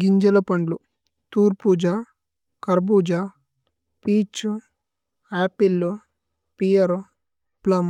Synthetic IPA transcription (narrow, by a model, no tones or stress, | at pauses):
ɡiɲd͡ʒɐlɐpɐɳɖlu | t̪uːɾpuːd͡ʒaː | kɐɾbuːd͡ʒaː | piːt͡ʃu | aːpilːu | pijɐɾu | plɐm